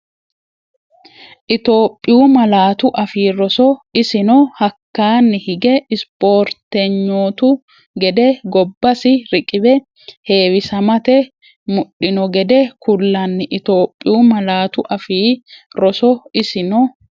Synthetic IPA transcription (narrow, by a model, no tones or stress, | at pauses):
ʔɪt̪o̞ːpʼːɪjuːmɐlaːt̪ʊʔɐfiːɾɔsɔɪsɪnɔhɐkːaːnːɪhɪɡɛɪspo̞ːɾt̪ɛɲːoːt̪ʊ | ɡɛd̪ɛɡɔbːɐsɪɾɪkʼɪbɛ | he̞ːwɪsɐmɐt̪ɛ | mʊɗːɪnɔɡɛd̪ɛkʊlːɐnːɪʔɪt̪o̞ːpʼːɪjuːmɐlaːt̪ʊʔɐfiːɾɔsɔɪsɪnɔ